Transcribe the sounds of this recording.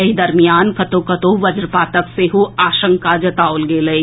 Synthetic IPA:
ɐid̪ɐɾmijaːnkɐt̪okɐt̪oʋɐd͡ʒɾpaːt̪ɐkseɦuaːʃə̃ŋkad͡ʒɐt̪aːolɡeːlɐi

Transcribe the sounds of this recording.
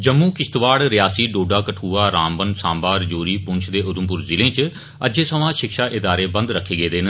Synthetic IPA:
d͡ʒəmːuːkɪst̪ʋaːɽɾɪjaːsiːɖoːɖaːkəʈʰuːaːɾãːmbənsaːmbaːɾd͡ʒoːɾiːpʊ̃nt͡ʃʰd̪eːʔʊd̪ʊmpʊɾzɪlẽːt͡ʃ | əd͡ʒeːsəʋãːʃɪkʃaːʔɪd̪aːɾeːbə̃nd̪ɾəkʰːeːɡeːd̪eːn

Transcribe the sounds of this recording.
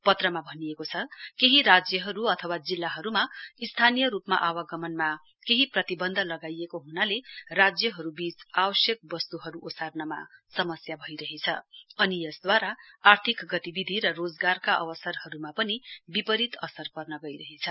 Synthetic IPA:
pʌt̪rʌmabʱʌnijekot͡sʰʌkeɦiɾad͡zjʌɦʌɾuʌt̪ʰʌwad͡zilːaɦʌɾumaist̪ʰanijʌɾupma̰ʔawaɡʌmʌnma | keɦiprʌt̪ibʌnd̪ʱʌlʌɡajekoɦunalerad͡zjʌɦʌɾubisabʌsjʌk̚bʌst̪uɦʌɾuʔosarnʌma̰sʌmʌsjabʱʌijɾʌɦet͡sʰʌʌnijʌsd̪waɾaːrt̪ʰikɡʌt̪ibid̪ʱiɾʌrod͡zɡarkaʔʌ̰wʌsʌrhʌɾumapʌnibipʌɾit̪ʌsʌrpʌrnʌɡʌjɾʌɦet͡sʰʌ

